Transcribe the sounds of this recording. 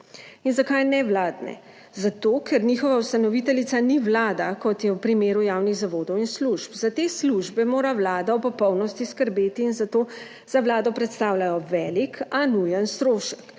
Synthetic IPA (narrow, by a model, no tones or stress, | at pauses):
inzakajnɛʋlaːd̪nɛ̰ | zat̪oːkʰɛɾnixɔʋaust̪anɔʋit̪ɛlit̪saniwlaːd̪akɔt̪jɛwpɾimeːɾujaːwniɣzaʋoːd̪ɔwinsluʃpzat̪eːsluʒbɛmoːɾawlaːd̪aɔpɔpɔwnɔst̪iskəɾbeːt̪iːnzat̪oː | z̥aʋlaːd̪ɔpɾɛt̪st̪aːwlajɔʋɛːlikanujənst̪ɾoːʃə̥k